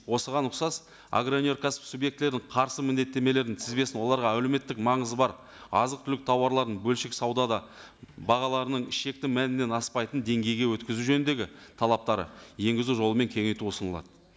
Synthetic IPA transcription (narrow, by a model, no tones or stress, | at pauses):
wo̞səʁɑnʊqsɑs | a̰ɡɾonʲo̞ɾkʰaspsubje̞k̚t̪le̞ɾd̪ɪɴqʰɑɾsəmɪnd̪e̞t̪ːe̞me̞le̞ɾɪnt̪ʰɪzbe̞sɪnwo̞lˠɑɾʁɑæleme̞t̪ːɪkmɑɴəzəbɑɾ | ɑ̰zəq̚t̪ʰʏlɪk̚t̪ʰɑwɑɾlˠɑɾd̪əɴbɵlʃɪksɑwd̪ɑd̪ɑ | bɑʁɑlˠɑɾənəɴɪʃe̞k̚t̪ɪmænɪne̞nɑspɑjt̪ənd̪e̞ŋɡʲe̞jɡʲe̞wɵt̪̚kʲɪzuwʒɵnnd̪e̞ɡʲɪt̪ʰɑlˠɑp̚t̪ɑɾə̰je̞ŋɡʲɪzuʒo̞lˠəme̞ŋkʲʰe̞ŋʲe̞jt̪uʊsənəlˠɑ̰d̪ə